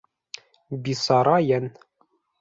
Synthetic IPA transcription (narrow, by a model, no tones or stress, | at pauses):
bisɑɾɑjæn